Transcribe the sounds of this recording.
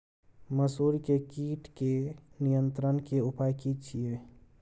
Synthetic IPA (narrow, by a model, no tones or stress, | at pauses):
məsuːɾikekiːʈʰkenijənt̪ɾənkeupajkit͡ʃʰie